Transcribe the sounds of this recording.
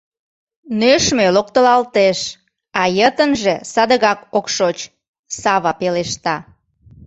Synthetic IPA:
nøʃmelok̚t̪əlɑlt̪eʃ | ɑjət̪ənʒesɑd̪əɣɑkokʃot͡ɕ | sɑβɑpeleʃt̪ɑ

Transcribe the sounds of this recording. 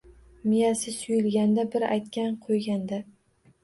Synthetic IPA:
mɪjasɪsʊjɪlɡʲand̪abɪɾa̰jt̪kʲanqʰojɡʲand̪a

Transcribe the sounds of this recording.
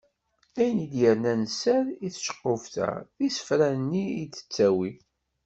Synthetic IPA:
æjənid̪jəɾnænsæɾiθʃə̥qːofθæ̰isə̥fɾænːiit͡sːə̥t͡sːæwi

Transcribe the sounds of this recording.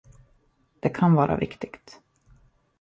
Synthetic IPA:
d̪̥ɛkʰanvɑːɾʔa̰vɪkt̪ɪɡt̪

